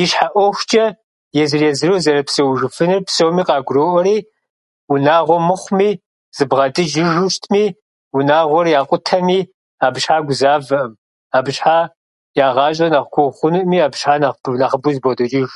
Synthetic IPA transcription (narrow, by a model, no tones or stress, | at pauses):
jɪʃħaʔʷɔxʷt͡ʃʼɐ | jɛzɨrezɨrowzɐɾɐpsɐwʒɨfɨnɨrpsowmiːqɑːɡʷʊroːʔɔɾiː | wunaːʁʷɔmɨχʷmiː | z̥ɨbʁɐtʼɨd͡ʒɪʒʊʃtʰmiː | wunaːʁʷɔrjaːqʷʼʊtʰɐmiː | aːbʃħaːɡʷʊzaːvɨʔɨm | aːbɕħaː | jaːʁɑːt͡ʃʼɐnaʁkʷʰʊχʷʊnuʔmiːaːbɕħaːnanaːχəbʊzbodot͡ʃʼɪʒ